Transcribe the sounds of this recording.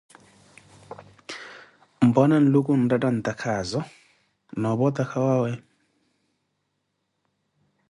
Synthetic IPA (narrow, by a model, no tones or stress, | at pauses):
m̩bɔnan̩lukun̩dadan̩t̪akʰazɔ | nɔbɔt̪akʰawawɛ